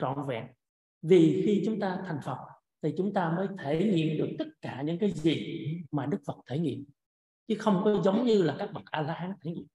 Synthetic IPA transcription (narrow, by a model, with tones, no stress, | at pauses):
t͡ɕɔ̰˧˨nvɛ̰ː˧˨n | vi˨˩xi˧t͡ɕʊ˨˦ŋ͡mt̪aː˧t̪ʰa˨˩ŋ̟fə˨˩t̚ | t̪ʰi˨˩t͡ɕʊ˨˦ŋ͡mt̪aː˧məː˨˦jt̪ʰe˧˩ŋḭ˧˨əmɗɨ˨˩ək̚t̪ə˦˥t̚kaː˧˩ɲɨ̰˧˥ŋkaː˨˦jzi˨˩maː˨˩ɗɨ˦˥k̚və˨˩t̚t̪ʰe˧˩˦ŋḭ˧˨m | t͡ɕɨ˨˦xə˧wŋ͡mkɔ˨˦zə˨˦wŋ͡mɲɨ˧laː˨˩kaː˦˥k̚ɓə˨˩t̚ʔaː˧laː˧ɦaː˨˦nt̪ʰe˧˩ŋḭ˧˨əm